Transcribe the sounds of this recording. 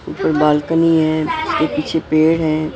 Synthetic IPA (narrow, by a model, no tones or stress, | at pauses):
ṵpəɾbaːlkəniɦɛ̃ːɪskepiːt͡ʃʰepeːɽɦɛ̃ː